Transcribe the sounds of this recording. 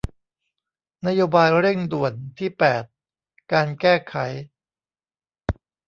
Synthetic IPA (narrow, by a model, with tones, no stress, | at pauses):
na˦˥joː˧baː˧jɾe˥˩ŋdu˨˩ənt̪ʰiː˥˩pɛː˨˩t̪̚ | kaː˧nkɛː˥˩kʰa˩˦j